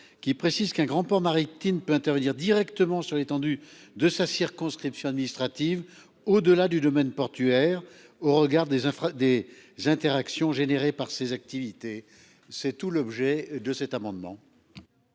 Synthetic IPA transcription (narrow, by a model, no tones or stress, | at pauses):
kʲipχesizkɛ̃ɡʁɑ̃pɔʁmaʁipt̪inpøɛ̃t̪ɛʁvəniʁd̪iʁɛkt̪əmɑ̃syʁlet̪ɑ̃d̪yd̪əsasiʁkɔ̃skχipsjɔ̃ad̪minist̪χat̪iv | od̪əlad̪yd̪ɔmɛnpɔʁt̪yɛʁ | oʁəɡaʁd̪ed̪ezɛ̃t̪eʁaksjɔ̃ʒeneʁepaʁsezak̚t̪ivit̪e | sɛt̪ulɔbʒɛd̪əsɛt̪amɑ̃d̪mɑ̰̃